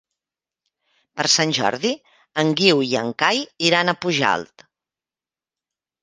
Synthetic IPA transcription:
pəɾsanʲʒɔ̰ɾði | əŋɡiwiəŋkajiɾanəpuʒa̰lˠt̪

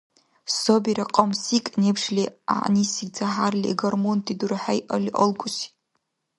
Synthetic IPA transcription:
sobeɾaqʼamsikʼnepʰʂlʲia̰ʕnisiɡʲd͡zaħarlʲḭɡarmontʰʼiduɾaħajʔalʲiʔəlɡʷʼʊsi̥

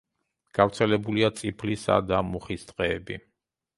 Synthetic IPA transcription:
ɡ̥avɾt̪sʰɛlɛbuliat̪sʼipʰlisa̰d̪amuχist̪ʼqʼɛːbi

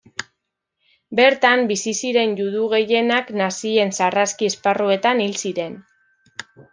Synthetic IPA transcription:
be̞ɾt̪ambisisiɾe̞njuðuɣ̞e̞je̞naknasie̞nsaraskiesparue̞t̪anilsiɾe̞n

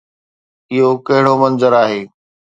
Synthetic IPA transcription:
ɪɦokɐɦɪɽomɐnzəɾaːɦeː

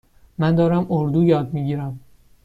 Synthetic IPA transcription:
mænd̪ɒːɾæmoɾd̪uːjɒːd̪̚miːɟiːɾæm

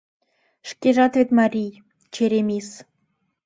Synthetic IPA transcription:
ʃkʲeʒɑt̪vʲet̪mɑɾʲij | t͡ɕeɾʲemʲis

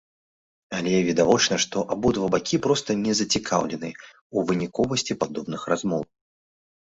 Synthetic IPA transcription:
alʲɛvʲɛd̪avɔt͡ʂnɐʂt̪ɔʔabud̪vɐbakʲipɾɔst̪ɐnʲɛzɐt͡sʲikʰawlʲɛnɨ | uvɨnʲikɔvɐsʲt͡sʲipad̪ɔbnɨxrazmɔw

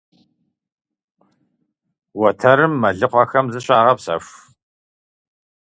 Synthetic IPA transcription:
wɐtʰɐɾɨmːɐɮɨqʷɔxɐmzɨɕʼaːʁɐpsɐ̰fʷ

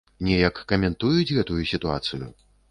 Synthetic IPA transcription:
nʲɛjɐkːɐmʲɛnt̪ujut͡sʲɣɛt̪ujusʲit̪ua̰t̪sɨjṵ

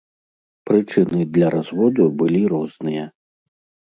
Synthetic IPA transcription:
pɾɨt͡ʂɨnɨd̪lʲɐɾazvɔd̪ubɨlʲiɾɔznɨjɐ

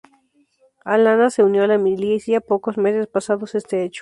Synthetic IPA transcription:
alanase̞unjolamilisjapo̞kozme̞sespasaðose̞st̪eet͡ʃo̥

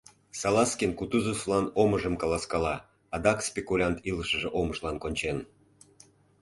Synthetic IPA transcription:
sɑlɑskʲinkut̪uzoslˠɑnoməʒəmkɑlˠɑskɑlɑ | ɑd̪ɑkspʲekulʲɑnt̪iləʃə̆ʒeʔoməʒlˠɑnkonʲt͡ɕen

